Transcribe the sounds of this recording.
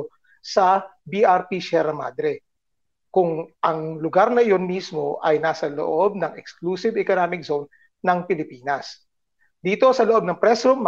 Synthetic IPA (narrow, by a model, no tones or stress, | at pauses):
sɐbiʔaɹpiʃɛɾɐma̰ːd̪ɾɛ | kʊŋʔɐŋlʊɡaɾnɐjo̞nmismo̞ʔɐjnaːsɐlo̰ʔo̞b̚nɐŋɛkskluːsɪvɛkonamɪk̚z̥own | nɐŋpɪlɪpiːnɐs | d̪iːt̪o̞sɐloʔo̞b̚nɐŋpɾɛsɾumː